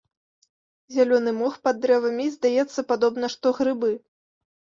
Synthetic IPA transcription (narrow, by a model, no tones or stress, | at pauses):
zʲalʲɔnɨmɔxpɐd̪ːɾɛvɐmʲizd̪ajɛt̪sːɐpad̪ɔbn̪ɐʂt̪ɔɣɾɨbɨ